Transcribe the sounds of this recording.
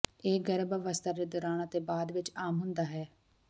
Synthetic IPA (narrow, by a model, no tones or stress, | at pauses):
eːɡɛɾbəʋəst̪ʰaːd̪eːd̪oːɾaːnat̪eːbaːd̪ʋɪt͡ʃaːmɦʊnd̪aːɦɛː